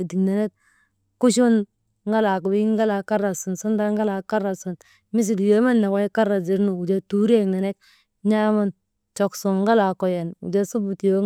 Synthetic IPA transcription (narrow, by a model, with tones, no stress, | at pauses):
di˨kna˨ne˦k̚ | ku˦ʃu˦n | ŋɡa˦la˨ku˨bi˦i˦ŋɡa˦la˨ka˦ɾa˨su˨nsu˦nda˦ŋɡa˦la˨ka˦ɾa˨su˨n | mi˦s̬i˨ljo˦ma˦nːa˨ka˦ka˦ɾa˨zi˨˦ɾnu˨u˨d͡ʒa˦tu˦ɾe˦kna˨ne˦k | ɲa˦ma˦n | t͡ʃo˨kso˨ŋɡa˦la˨ko˨je˨nṵ˨d͡ʒa˦su˦bu˨tjo˦